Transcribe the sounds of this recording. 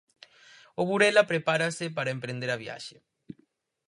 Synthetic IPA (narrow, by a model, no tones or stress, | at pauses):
oβuɾelapɾepaɾasepaɾaempɾẽnd̪eɾaβja̰ʃe